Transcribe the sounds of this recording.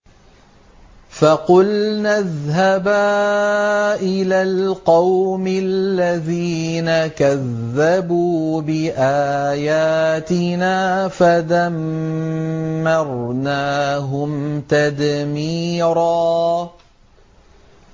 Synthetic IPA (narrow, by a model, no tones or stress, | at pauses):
fɑqʊlnaðhabaː | ʔɪlaːlqɑwmɪlːaðiːnakaðːabuːbɪʔaːjaːt̪ɪnaːfaðam | ɑɾˤnaːɦʊmt̪ad̪miːɾaː